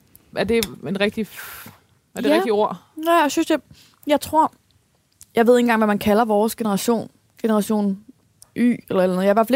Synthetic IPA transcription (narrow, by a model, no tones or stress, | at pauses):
æɐd̥e̝enʁɛɡ̥̚d̥i | æɐeʁɛɡ̥̚d̥io̝ɐ̰ | æjsynse | jɑ̈ɪt͡sʰʁo̝ɐ̰ | jɑ̈ɪe̝ð̰ˠe̝ŋ̩ɡɑ̰ŋʋæmænkʰælɐʋɒːsɡ̥e̝nəʁɑ̈ɕo̝̰ːn | ɡ̥e̝nəʁɑ̈ɕo̝̰ːn | ʔy̰ːelɐelænð̩ˠjɑʋæɐfæ